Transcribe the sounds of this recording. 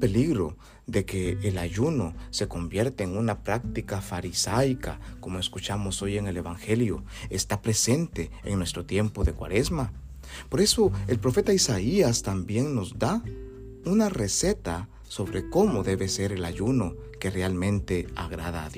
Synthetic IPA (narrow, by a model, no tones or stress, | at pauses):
pe̞liɣɾo̞̰ | ðe̞keːlaʝuno̞se̞ko̞mbje̞ɾt̪eːŋunapɾak̚t̪ikafaɾisajkako̞moeskut͡ʃamo̞so̞je̞ŋe̞le̞βaŋxeljo | est̪apɾe̞se̞nt̪e̞̰ːŋnwest̪ɾo̞t̪je̞mpo̞ðe̞kwa̰ɾe̞zma | po̞ɾe̞so̞e̞lpɾo̞fe̞t̪aisaiast̪ambje̞ŋno̞zd̪a | unare̞se̞t̪a | so̞βɾeko̞mo̞ðe̞βe̞se̞ɾe̞laʝuno̞ | ke̞re̞almẽ̞nt̪e̞a̰ɣɾaðaːðjo